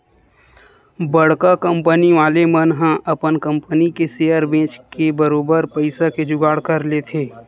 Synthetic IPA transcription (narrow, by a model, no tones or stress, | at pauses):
bəɽ̤kakə̃mpəniʋaːlemənɦãʔɐpənkə̃mpənikeseːəɾbẽːt͡ʃkebəɾoːbəɾpəɪsaked͡ʒʊɡaːɽkəɾlet̪ʰeː